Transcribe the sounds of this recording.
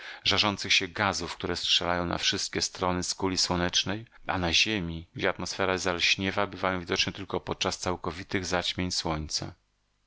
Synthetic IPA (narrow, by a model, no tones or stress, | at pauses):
ʐaʐɔnt̪sɘxɕɛɡazufkt̪uɾɛstʂɛlajɔ̃w̃na̰fʂɘst̪̚kʲɛst̪ɾɔnɘskulʲiswɔnɛt͡ʂnɛj | a̰naʑemʲiɡd͡ʑɛat̪mɔsfɛɾazalɕɲɛvabɘvajɔ̃w̃vʲid̪ɔt͡ʂɲɛt̪ɘlkɔpɔt̪̚t͡ʂast̪sawkɔvʲit̪ɘɣzat͡ɕmʲjeɲswɔɲt̪sa̰